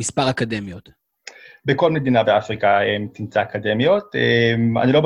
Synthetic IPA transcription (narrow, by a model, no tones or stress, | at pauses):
mispaʁakad̪e̞mjo̞t̪ | beko̞lme̞d̪inabeafʁikaemt̪imt͡saːkad̪e̞mjo̞t̪ema̰nilo̞b